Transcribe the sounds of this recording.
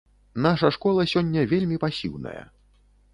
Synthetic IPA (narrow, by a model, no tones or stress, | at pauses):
naʂɐʂkɔlˠɐsʲɔnʲːɐvʲelʲmʲipasʲḭwnɐ̰jɐ̰